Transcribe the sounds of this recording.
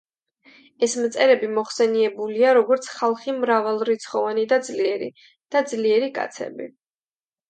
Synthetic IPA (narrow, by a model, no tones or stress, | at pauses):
ɛsmt̪sʼɛɾɛbimɔχsɛniɛbuliaɾɔɡɔɾt̪sʰχalˠχimɾavalˠɾit̪sʰχɔvanid̪ad̪zliɛɾḭ | d̪̥ad̪zliɛɾikʼa̰t̪sʰɛ̰bḭ